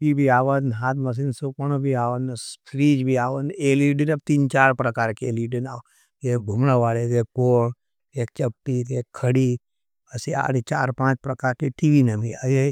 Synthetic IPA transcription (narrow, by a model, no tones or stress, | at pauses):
ibʱiaːʋənɦaːt̪mɐs̬insopɐnobʱiaːʋənspʰɾiːd͡ʒbʱiaːʋəneːliɖinɐb̚t̪iːnt͡ʃaːɾpɾɐkaːɾkeeliɖəna | ɡebʱumɽaʋaːleɡekoːɳ | eːk̚t͡ʃɐp̚t̪it̪eːkʰːəɽi | əsia̰ːɽit͡ʃa̰ːɾpãːt͡ʃpɾɐkaːɾkeʈiʋinɐmiəje